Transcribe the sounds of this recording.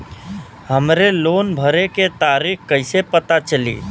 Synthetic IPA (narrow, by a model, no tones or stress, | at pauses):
həmɾeloːnbʱəɾeket̪aɾikkəɪsepət̪at͡ʃəlḭ